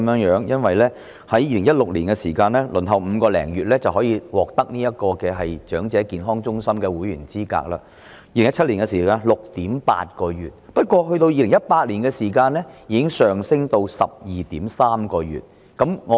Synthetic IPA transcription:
mjœː˨˥ŋjœː˨˥ŋjɐ˥nwɐ˨jlɛː˥ | hɐ˨˥jiː˧lɪ˨˩ŋjɐ˥t̚lʊ˨k̚liː˨˩nkɛ˧siː˨˩kaː˧nlɛː˥lɵ˨˩nɦɐ˨wm̩ː˨˧kɔː˧lɛ̰ː˨˩ŋjyː˨t̚lɛː˥t͡sɐ˨whɦɔː˨˥jiː˧wɔː˨k̚t̪ɐ˥k̚niː˥jɐ˥t̚kɔː˧kɛː˧ɦɐ˨jt͡ʃœː˨˥ŋt͡sɛː˨˥kiː˨nɦɔː˥ŋt͡sʊ˥ŋsɐ˥mkɛː˧wuː˨˥jyː˨˩nt͡siː˥ka̰ː˧k̚la̰ː˧ | jiː˧le˨˩ŋjɐ˥t͡ʃ̚ʰliː˨˩nkɛ˧siː˨˩kaː˧nlʊ˨k̚t̪iː˨˥mpa̰ː˧t̚kɔː˧jyː˨t̚pɐ˥t̚kʷwʷɔː˧ɦɵ˧ɥt̪o˧wjiː˧lɪ˨˩ŋjɐ˥t̚paː˧t̚liː˨˩nkɛː˧siː˨˩kaː˧nlɛː˥jiː˨˧kɪ˥ŋsœː˨˩ŋsɪ˥ŋt̪o˧wsɐ̰˨p̚jiː˨˩t̪iː˨˥msaː˥mkɔː˧jy̰ː˨˩t̚ | kɐ˨˥mŋɔ˨

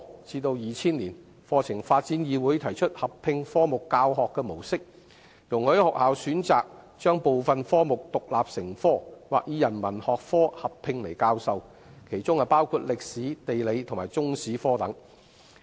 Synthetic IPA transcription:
t͡siː˧t̪o˧wjiː˨t͡sʰiː˥nliː˨˩n | fɔː˧t͡sʰɪ˨˩ŋfaː˧t̚t͡si˨˥njiː˧wuː˨˥jt̪ʰɐ˨˩jt͡ʃʰɵ˥t̚hɐ˨pʰːɪ˧ŋfɔː˥mʊ˨kːaː˧wɦɔː˨kːɛː˧mo˨˩wsɪ˥k̚ | jʊ˨˩ŋhɵ˨˥hɔ˨k̚haː˨wsyː˨˥nt͡saː˨k̚ | t͡ʃœː˥ŋpo˨wfɐ˨nfɔː˥mʊ˨k̚t̪ʊ˨k̚la̰ː˨p̚sɪ˨˩ŋfɔː˥waː˨k̚jiː˨˧jɐ˨˩nmɐ˨˩nhɔː˨k̚fɔː˥hɐ˨pʰːɪ˧ŋle˨˩jkaː˧wsɐ˨˧w | kʰe˨˩jt͡sʊ˥ŋɐ˨˩paː˥wkʰuː˧t̚lɪ˨k̚siː˨˥t̪e˨jle˨˧jt̪ʰʊ˨˩maː˨˩jt͡sʊ˥ŋsiː˨˥fɔː˥t̪ɐ˨˥ŋ

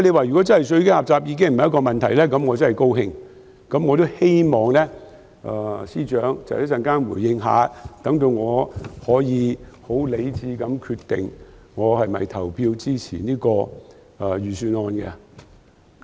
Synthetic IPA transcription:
le˧waː˨˧jy˨kɔ˨˥t͡sɐ˥nhɐ˨˩jsɵ˧ɥke˥haː˨p̚t͡saː˧˨p̚jiː˧k̬ɪ˥ŋm̩˨jɐ˥kɔː˧mɐ˨nt̪ʰɐ˨˩jlɛː˥kɐ˨˥mŋɔː˨˧t͡sɐ˥nhɐ˨jko˥whɪ˧ŋ | kɐ˨˥mŋɔː˧t̪o˥whe˥jmɔː˨ŋlɛ˥ | ʔɛː˨˩siː˥t͡ʃœː˨˥ŋt͡sɐ̰˨hjtsɐ˧nkaː˥nwṵː˨˩jːɪ˧ŋɦa̰ː˨˧t̪ɐ˨˥ŋt̪o˧wŋɔː˨˧hɔː˨˥jiː˨˧ho˨˥wle˨˧jt͡siː˨˧kɐ˨˧mkʰyː˧t̪ɪ̰˨ŋŋɔː˨˧hɐ˨jmɐ̰˨˩jt̪ʰɐ˨˩wpʰiː˧wt͡siː˥t͡sʰḭː˨˩niː˥kɔː˧ | ɛː˨˧jyː˨syː˧nɔː˧nkɛ̰˧

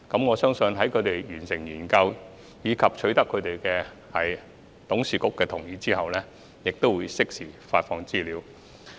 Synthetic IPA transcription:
kɐ˨˥mŋɔː˨˧sœː˥ŋsɵ˧nɦɐ˨˥jkʰɵ˨˧ɥt̪e˨jjyː˨˩nsɪ˨˩ŋjiː˨˩nkɐ˧w | jiː˨˧kʰɐ˨p̚t͡ʃʰɵ˨˥ɥt̪ɐ˥kʰːɵ˨˧ɥt̪e˨jkɛː˧ | hɐ˨j | t̪ʊ˨˥ŋsiː˨kʊ˥kːɛː˧t̪ʰʊ˨˩ŋjiː˨˧t͡siː˥hɐ˨wlɛː˥ | jɪ˨k̚t̪o˥wuː˨˧jsɪ˥k̚siː˨˩faː˧t̚fɔː˧ŋt͡siː˥liː˨˧w

